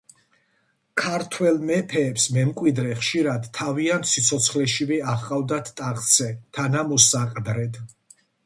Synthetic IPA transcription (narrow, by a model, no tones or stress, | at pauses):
kʰaɾt̪ʰwɛlmɛpʰɛːpsmɛmkʼwid̪ɾɛχʃiɾad̪ʰaviant̪ʰsit̪sʰɔt̪sʰχlɛʃivɛaχqʼavd̪at̪ʰt̪ʼaʁt̪sʰɛt̪ʰanamɔsaqʼd̪ɾɛd̪